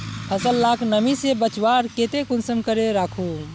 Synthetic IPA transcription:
pʰəsəlːakʰnəmisebət͡ʃwaɾket̪ekunsəmkəɾeɾakʰu

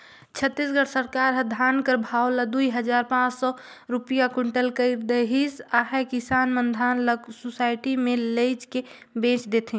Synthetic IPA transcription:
t͡ʃʰət̪ːisɡəɽsəɾkaːɾɦəd̪ʱaːnkəɾbʱawlad̪uiɦəd͡ʒaːɾpãːt͡ʃsɔ | ɾupijakuɳʈəlkəɪɾd̪əɦisaɦɛkɪsaːnmənd̪ʱaːnləɡsusaːɪʈimẽleɪt͡ʃke | bẽːt͡ʃd̪et̪ʰɦĩ

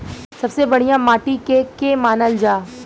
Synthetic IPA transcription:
sɐbsebɐɽ̤ijãmaːʈikekemaːnəld͡ʒaː

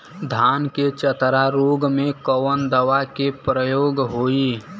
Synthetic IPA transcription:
d̪ʱanket͡ʃət̪ɾaɾoɡmekəwənd̪əʋakepɾəjoːɡɦoi

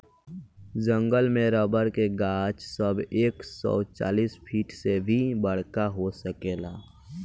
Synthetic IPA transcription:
d͡ʒə̃ŋɡəlmẽɾəbəɾkeɡaːt͡ʃsəbeːksɔ̰ːt͡ʃa̰ːliːspʰiːʈsebʱibəɽ̤kaɦosəkeːlaː

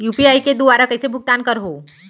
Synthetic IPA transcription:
juːpiajked̪uʋaɾakəjsebʱʊk̚t̪ankəɾɦo

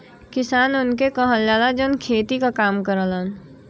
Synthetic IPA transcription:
kɪsaːnʊnkekəɦəld͡ʒaːlad͡ʒənkʰeːt̪ikakaːmkəɾələn

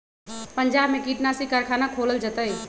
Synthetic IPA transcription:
pəɲd͡ʒaːbmẽkiːʈnaːsikaɾkʰaːnakʰoːləld͡ʒət̪əi

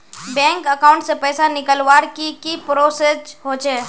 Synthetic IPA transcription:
bɛ̃ːŋkəkaːʊ̃ɳʈsepɛːsanɪkəlwaːɾkikipɾoːsesɦoːd͡ʒeː

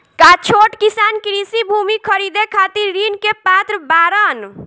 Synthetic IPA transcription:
kat͡ʃʰoʈkisankɾisibʱumikʰəɾid̪ekʰat̪iɾːinkepat̪ɾbaɾən

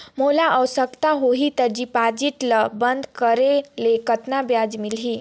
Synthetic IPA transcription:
molaʔəwsəkt̪aɦoɦit̪əɾd͡ʑiːpad͡ʑiʈ̪ləbənd̪kəɾelekət̪nabjad͡zmilɦiː

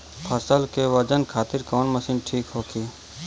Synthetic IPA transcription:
pʰɐsəlkeʋəd͡ʒənkʰaːt̪ɪɾkɔːnmɐsiːnʈʰiːkɦoːkiː

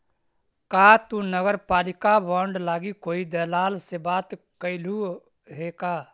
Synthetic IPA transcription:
kaːt̪unəɡəɾpaːlɪkabɔːɳɖlaːɡikoːid̪əːlaːlsebaːt̪ | kəɪlu | ɦeːkaː

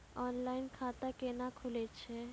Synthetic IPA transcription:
ɔnlajnkʰat̪akenakʰulet͡ɕʰe

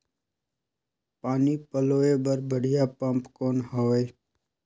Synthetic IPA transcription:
paːniːpəloːebəɾbəɽ̤ɪjaːpəmpkoːnɦoːe

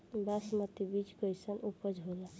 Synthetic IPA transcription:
basmət̪ibit͡ʃkəjsənʔupəd͡ʒʱɦola

